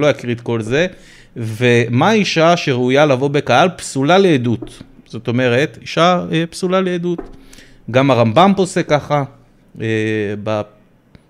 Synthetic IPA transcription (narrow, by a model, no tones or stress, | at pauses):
lojakʁit̪ko̞lze̞ | vemaiʃaʃeʁeujalavo̞be̞kahalpsulaleːdut̪ | z̥o̞to̞me̞ʁe̞t̪iʃaepsulaleedut | ɡamaʁambanpo̞sekːaχa | eba